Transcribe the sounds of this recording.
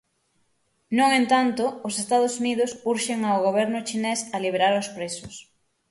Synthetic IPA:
nũŋent̪ant̪ʊːsest̪að̞ʊsunið̞ʊsuɾʃeŋaoɣoβ̞ɛɾnʊt͡ʃinesaliβ̞eɾaɾʊspɾesʊs

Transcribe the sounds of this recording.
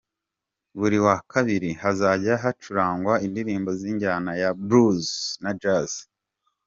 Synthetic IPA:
βuɾiwakʰaβiɾihazaɟaɦat͡ʃuɾaːŋɡwaindiɾiːmbo̞ziːɲɟaːnajabɾuznad͡ʒaz

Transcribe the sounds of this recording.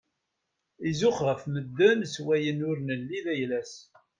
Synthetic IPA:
izʊχʁəfməd̪ːənswæjənʊɾnəlːiðæjlæs

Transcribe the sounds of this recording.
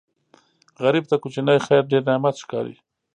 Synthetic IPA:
ɣaɾib̚t̪akʊt͡ʃinajxajɾɖeɾnamat̪ʃkɑ̰ɾḭ

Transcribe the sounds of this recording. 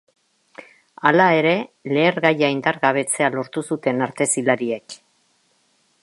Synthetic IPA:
alae̞ɾe̞le̞ːɾɣajaind̪aɾɣaβ̞e̞t͡se̞alo̞ɾt̪usut̪e̞naɾt̪e̞silaɾie̞k

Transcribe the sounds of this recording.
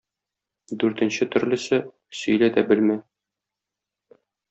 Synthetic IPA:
d̪ʉɾt̪ɘ̆nɕɘt̪ɵ̆ɾlɘ̆sɘ | sɵ̆jlæd̪æbɘlmæ

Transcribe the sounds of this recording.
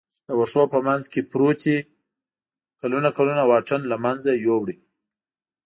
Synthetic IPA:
d̪̥əwaʂopəmanzkepɾot̪ʰi | kalunakalunawɑʈənlamanzajowɽi

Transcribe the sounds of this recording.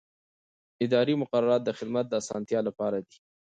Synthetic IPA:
ɪd̪ɑɾimʊqaɾaɾɑt̪̚d̪əxɪd̪mat̪̚d̪əasɑ̰nt̪jɑlapɑɾad̪i̥

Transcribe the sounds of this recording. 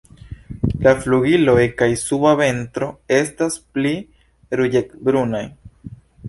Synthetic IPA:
lafluɡilo̞jkajsuβave̞ntɾo̞e̞staspli | ɾuʎekbɾunaj

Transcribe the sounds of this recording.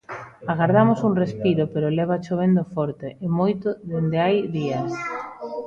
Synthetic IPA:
aɣaɾðamʊsuŋrespiɾopeɾolɛβ̞at͡ʃoβ̞end̪ofɔɾt̪eʔɪmojt̪oðend̪eajðias

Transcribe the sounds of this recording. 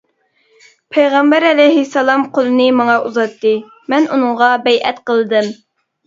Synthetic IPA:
pʰejʁɑmbæɾɛlɛjɦɪsːɛlˠɑmqʰolˠɨnɨmɑŋɑʔuzɑt̪ːɨ | mɛnunɨŋʁɑbɛjʔɛt̪qəlˠɨd̪ɨm

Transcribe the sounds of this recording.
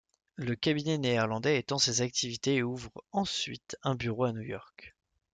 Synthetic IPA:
ləkabinɛneiʁlɑ̃d̪ɛet̪ɑ̃sezak̚t̪ʰivit̪eeuvʁɑ̃sɥit̪ɛ̃byʁoanujɔʁk

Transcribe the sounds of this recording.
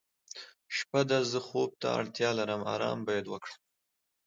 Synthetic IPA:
ʃpad̪azəxob̚t̪a̰a̰ɽt̪jɑlaɾəmɑ̰ɾɑ̰ːmbajad̪wəkɽam

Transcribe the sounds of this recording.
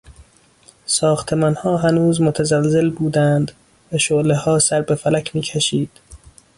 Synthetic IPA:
sɒːxt̪ʰe̞mɒːnhɒːɦænuːzmot̪ʰæzælze̞lbuːd̪ænd̪ | væʃoʔlehɒːsæɾbe̞fælæcʰmiːcʰæʃiːd̪̥

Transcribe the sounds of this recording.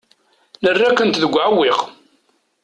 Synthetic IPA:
nərːækːənt̪ðəɡʷːʕawːiʁ

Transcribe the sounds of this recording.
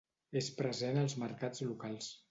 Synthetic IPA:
espɾəzenəlˠzməɾkad͡zlukalˠs

